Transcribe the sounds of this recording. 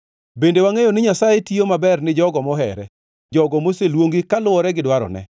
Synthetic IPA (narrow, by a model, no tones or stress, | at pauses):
bendewaŋejonɪɲasajetiomabɛrnɪd͡ʒɔɡɔmɔɦɛ̰ɾɛ | d͡ʒɔɡɔmoselwoŋɡikalʊɔɾɛɡɪdwaɾɔ̰nɛ̰